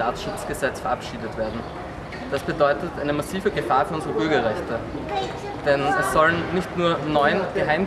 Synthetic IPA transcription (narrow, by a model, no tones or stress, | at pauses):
aːsʃʊt͡sɡ̥əzɛt͡sfɛɐapʃiːdətv̥eːɐdn̩ | d̥asb̥ədɔʏtətʔaɪnəmasiːvəɡəfaːɐfyːɐʊnzəʁəbʏɐɡɐʁɛçtə | d̥ɛnɛsːɔlənnɪçtnuːɐnɔʏənɡ̥əɦaɪm